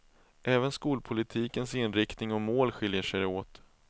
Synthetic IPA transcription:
ʔɛːvənskuːlpʰʊlɪt̪ʰiːkənsɪnɾɪkt̪nɪŋɔmoːlɧɪljəʂɛjoːt̪

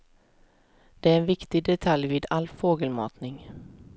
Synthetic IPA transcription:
d̪̥ɛæɾɛnvɪkt̪ɪɡ̚d̪ɛt̪ʰaljviːd̪alfoːɡəlmɑ̰ːt̪nɪŋ

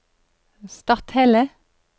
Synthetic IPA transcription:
st̪ɑt̪hɛlə

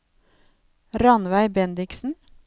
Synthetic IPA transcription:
ɾɑnʋæɪbɛnd̪ɪksn̩

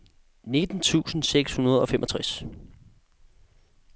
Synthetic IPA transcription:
ne̝d̥n̩t͡sʰṵːsn̩seɡ̥shunɐð̞ˠɒ̽femʔɒ̽t͡sʰʁas

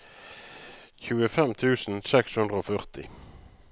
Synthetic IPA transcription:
çʉːəfɛmt̪ʰʉːsn̩sɛkshɵnd̪ʁəoːfœʁt̪ʰɪ

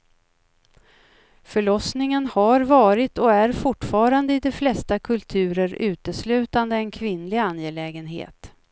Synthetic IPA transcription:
fœɭɔsnɪŋənhaɾvɑːɾɪt̪ɔæɾfʊʈːfɑːɾand̪əɪd̪ɛflɛst̪akʰɵlt̪ʰʉ̟ːɾəɾʉ̟ːt̪əslʉ̟ːt̪and̪əɛnkʰvɪnːlɪanjɛlɛːɡənɦḛːt̪

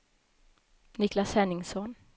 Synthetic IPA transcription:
nɪklashɛnːɪŋsɔn

